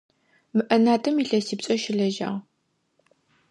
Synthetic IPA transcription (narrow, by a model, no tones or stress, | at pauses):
mɨʔɐnaːtʰɐmiɬɐsiːpt͡ʃʼɐʃɪɮɐʒa̰ːʁ